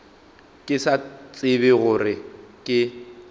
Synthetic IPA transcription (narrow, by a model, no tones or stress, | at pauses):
kʼɪsat͡sʼɪbɪɣʊrɪkʼɪ